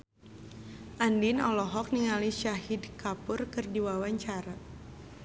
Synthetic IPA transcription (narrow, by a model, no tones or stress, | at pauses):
ʔandinɔlɔɦɔk̚niŋaliʃaɦidkapʊrkɨrdiwawaɲt͡ʃaɾa